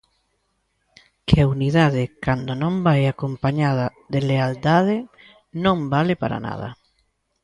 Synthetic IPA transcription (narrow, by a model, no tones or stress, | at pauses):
kʰɪauniðaðɪkand̪onõmbajakompaɲað̞ɐðɪleald̪að̞ɪ | nõmbalɪpa̰ɾa̰na̰ðɐ̰